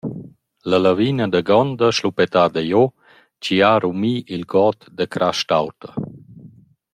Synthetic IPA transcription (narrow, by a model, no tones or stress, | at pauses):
ləlavinəd̪əɡɔnd̪əʃlupɛt̪ad̪əjo | t͡ʃiaɾumiʔilɡɔt̪d̪əkɾʔaʃtawt̪ə